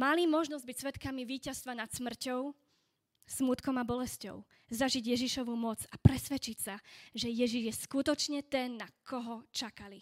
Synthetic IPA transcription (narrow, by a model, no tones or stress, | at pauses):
malimɔʒnɔzɟ̚bicsʋɛt̪kamiʋiːcast̪ʋanat̪smr̩cɔʊ | smut̪kɔmabɔlɛscɔ̰ʊ | zaʒiɟjɛʒiʃɔʋumɔt͡sapɾɛsʋɛt͡ʃicsaʒɛjɛʒiʒjɛskut̪ɔt͡ʃɲɛt̪ɛnːakʰɔɦɔt͡ʃakali